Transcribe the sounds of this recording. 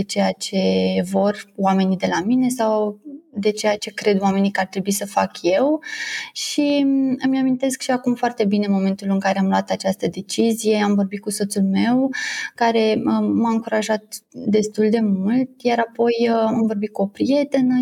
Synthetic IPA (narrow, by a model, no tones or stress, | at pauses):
et͡ʃe̞jat͡ʃe̞vo̞roame̞nid̪e̞lamine̞sawd̪e̞t͡ʃe̞jat͡ʃe̞kɾe̞d̪wame̞nikart̪ɾe̞buisəfakje̞wʃiəmneamint̪e̞skʃiakumfoart̪e̞bine̞mo̞me̞nt̪ulɨŋkaɾe̞amlwat̪at͡ʃast̪əd̪e̞t͡ʃizije̞amvo̞rbit̪̚kuso̞t̪sulme̞wkaɾe̞əmaɨŋkuɾaʒat̪d̪e̞st̪uld̪e̞mult̪jaɾapo̞jamvo̞rbit̪̚kuo̞pɾije̞t̪e̞nə